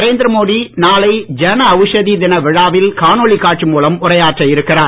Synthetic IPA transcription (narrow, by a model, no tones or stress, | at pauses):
ɾeːnd̪ɪɾɐmoːðinaːlɐɪd͡ʒɛnɐːʋɯʂɐðid̪ɪnɐʋɪɻaːʋɪlkaːnoɭikːaːʈt͡ʃɯmuːlɐmʊrɐjaːʈrɐɪɾɯkːɪraːɾ